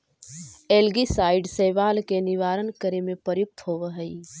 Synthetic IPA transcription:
elɡisaɪɖsəʋalkeniʋaɾənkəɾemepəɾjuk̚t̪ɦoʋəɦəi

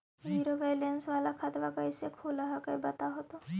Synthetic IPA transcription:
ʋiːɾoʋajlensʋalakʰat̪ʋakəisekʰuləɦakəjbət̪aɦot̪o

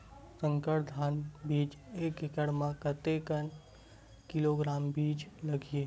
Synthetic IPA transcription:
sə̃ŋkəɾd̪ʱaːnbiːd͡ʒeːkɪkəɽmãkət̪ekən | kɪloɡɾaːmbiːd͡ʒləɡie

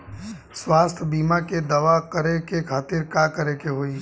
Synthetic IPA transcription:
swaːst̪ʰbiːmaked̪ɐʋakəɾekekʰaːt̪ɪɾkakəɾekeɦoːi

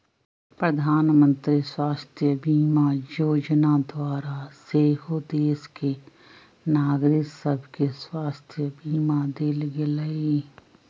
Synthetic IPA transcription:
pɾəd̪ʱaːnmə̃nt̪ɾiswaːst̪ʰjəbʱiːmajoːd͡ʒnad̪waːɾaseːɦod̪eːske | naːɡɾɪksəbʱkeswaːst̪ʰjəbiːmad̪eːlɡeləe

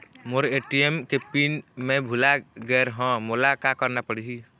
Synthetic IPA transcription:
moɾeʈiemkepinmẽbʱulaɡɛɾɦɔ̃molakakəɾnapəɽiɦi

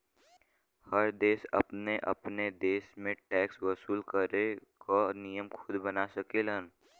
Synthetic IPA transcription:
həɾd̪eːsɐ̰pneʔɐ̰pned̪eːsmẽʈɛːkswəsuːlkəɾekonijəmkʰʊd̪bənasɐkeːlən

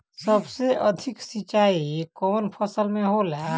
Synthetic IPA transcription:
səbseʔəd̪ʱɪksɪt͡ʃaːikɔːnpʰəsəlmẽɦolɦa

